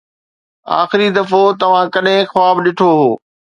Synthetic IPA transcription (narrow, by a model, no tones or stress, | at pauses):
a̰ːxɪɾid̪ɐfot̪ɐʋ̤ãkɐɗɦẽxaːbɗɪʈʰoɦoː